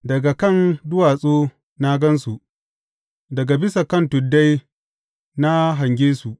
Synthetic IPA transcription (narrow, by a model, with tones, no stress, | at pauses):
dɐ˨ɡa˨kɐ˦˨ndʊ˦waː˨sʼoː˦ | na˦ɡɐ˦nsu˨ʔ | dɐ˨ɡa˨bɪ˦sa˨kɐ˦˨ntʊ˨dːa˦j | na˦ɦa˨ŋɡʲeː˦su˨ʔ